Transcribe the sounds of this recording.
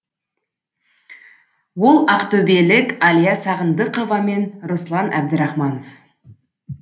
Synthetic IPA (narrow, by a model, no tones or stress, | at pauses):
wo̞lˠɑqt̪ɵbelɪkɑlijɑsɑʁənd̪əqovɑme̞nɾoslˠɑnʔæ̰b̚d̪ɪɾɑχmɑnof